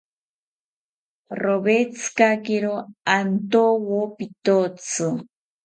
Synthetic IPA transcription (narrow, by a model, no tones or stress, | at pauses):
roβet͡sʰɨ̥kakiɾoant̪owopit̪ot͡sʰɨ